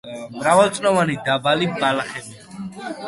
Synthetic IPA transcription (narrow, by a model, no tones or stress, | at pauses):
mɾavalt̪sʼnɔvanid̪abalibalaχɛbi